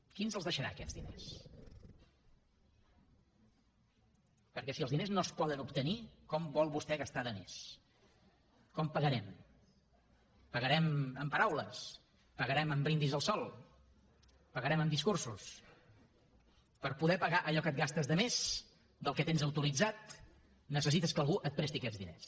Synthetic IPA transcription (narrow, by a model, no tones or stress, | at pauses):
kinzəlˠzðəʃəɾa̰kɛ̰d͡zðinḛs | pəɾkɛsiəlˠzðineznospɔðənupt̪ənikɔmbɔlˠβust̪ɛɣəst̪aðəmḛs | kɔmpəɣəɾɛm | pəɣəɾɛməmpəɾawləs | pəɣəɾɛməmbɾind̪izðəlˠsɔlˠ | pəɣəɾɛməmd̪iskursus | pəɾpuðɛpəɣaʔəʎɔkət̪̚ɡast̪əzðəmez | d̪əlˠkɛt̪enzəwt̪ulid͡zat̪̚ | nəs̬əsit̪əskəːlˠɣuʔət̪̚pɾɛst̪iəkɛd͡zðinḛs